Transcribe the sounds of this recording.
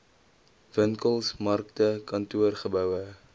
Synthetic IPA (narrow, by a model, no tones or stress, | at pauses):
vəŋkəlˠsmɐrk̚təkɐntuərχəbœwə